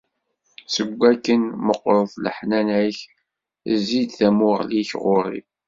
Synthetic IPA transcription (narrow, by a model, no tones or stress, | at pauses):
səɡʷːækːənməqːɾˤθlə̰ħnænæç | zːid̪θæmʊʁliçʁʊɾˤḭ